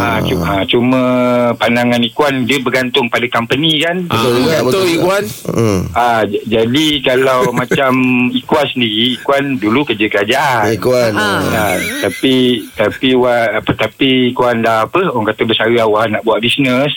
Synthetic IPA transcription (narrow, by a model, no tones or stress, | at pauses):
at͡ʃuãt͡ʃumə̃pandaŋanikuandəbəɡant̪ʊŋpadakampənikanbəikuwan | ad͡ʒadikalawmãt͡ʃamikwansəndiɾiːkwandulukərd͡ʒəkəɾad͡ʒaʔaikwanat̪apit̪apiwapət̪apiːkuandahapəaŋkat̪əbəsaɾəawahnaʔbuaʔbisnəs